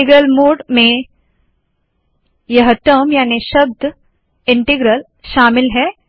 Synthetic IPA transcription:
iɡɾəlmoːɖmẽ | jɐɦʈəmjaːniʃəb̚d̪ʱ | ɪɳʈiɡɾəl | ʃaːmɪlɦɛː

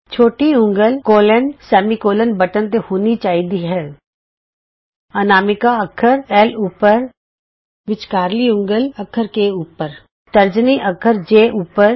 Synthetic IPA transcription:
t͡ʃʰoːʈiʊ̃ŋɡəlkoːlənsɛːmikoːlənbəʈənt̪ehoːnit͡ʃaːɦid̪iɦɛː | ənaːmɪkaəkʰəɾɛːluːpəɾ | ʋɪt͡ʃkaːɾliʊ̃ŋɡəlɐkʰəɾkeuːpəɾ | t̪əɾd͡ʒniʔɐkʰəɾd͡ʒeːʔuːpəɾ

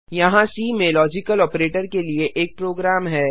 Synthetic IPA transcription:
jɐɦãsiːmẽlɔːd͡ʒɪkəlɔːpɾeːʈəɾkelieʔeːk̚pɾoːɡɾaːmɦɛː

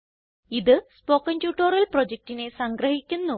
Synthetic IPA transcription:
iðɨspoːkːɐntjuːʈːoːrɐlprod͡ʑek̚tine̞sɐŋɡrɐɦikʲːunːu

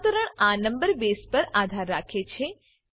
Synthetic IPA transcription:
t̪əɾəɳanəmbəɾbespəɾad̪ʱaɾːakʰet͡ʃʰe

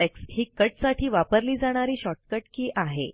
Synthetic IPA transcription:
ɛkshiːkəʈsaʈʰiːʋapəɾliːd͡zaɽ̃aɾiːɕɔʈ̚kəʈ̚kiːʔaɦḛ

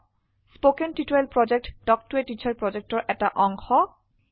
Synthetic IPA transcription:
spokenʈitoelpɹɔd͡ʑek̚ʈɖ̥ɔk̚tuetit͡ɕʰaɹpɹɔd͡ʑek̚ʈɔɹʔɛtaʔɔŋxɔ

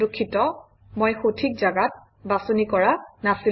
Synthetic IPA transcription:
okʰːitɔ | mojxotʰik̚zaɡat̚ | basonikɔɹanasi

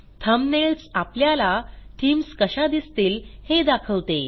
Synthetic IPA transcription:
t̪ʰəmneɭt͡sapljalaʈʰiːmskəɕad̪ist̪iːlhed̪akʰəʋt̪e

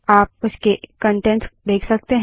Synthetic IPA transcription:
aːp̚ʊskekə̃ɳʈɛɳʈsd̪eːkʰsɐk̚t̪eɦ

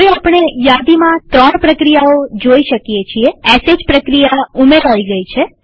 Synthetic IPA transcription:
ʋeapɳ̃ejad̪imãt̪ɾəɳpɾəkɾijaod͡ʒoiʃəkjet͡ʃʰieɛsed͡ʒpɾəkɾijaumeɾɦaiɡəit͡ʃʰe

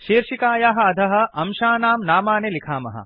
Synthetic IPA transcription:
ʃiːɾʃikaːjaɦɐɐd̪ʱɐɦɐ̆ɐmʃaːnaːmnaːmaːnelikʰaːmɐ̰ɦɐ̰

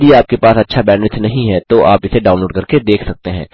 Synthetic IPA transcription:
d̪iaːp̚kepaːsɐtːʃʰabɛ̃ːnʋɪt̪ʰnɐɦĩɦɛt̪oʔaːpɪseɖaːʊnloːɖkɐɾked̪eːkʰsɐk̚t̪eɦɛ̃ː

